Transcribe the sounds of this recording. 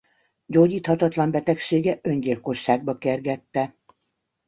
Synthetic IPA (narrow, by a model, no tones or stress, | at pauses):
ɟoːɟiːt̪hɒt̪ɒt̪lɒmbɛt̪ɛkʃeːɡɛʔøɲɟilko̞ʃːaːɡ̚bɒkɛrɡɛt̪ːɛ